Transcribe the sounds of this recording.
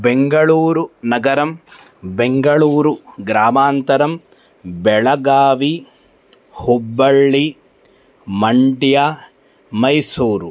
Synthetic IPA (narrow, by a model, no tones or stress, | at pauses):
beŋɡɐɭuːɾunɐɡɐɾɐm | beŋɡɐɭuːɾuɡɾaːmaːnt̪ɐɾɐm | bɛɭɐɡaːʋi | hubːɐɭːi | mɐɳɖjaː | mɐjsuːɾu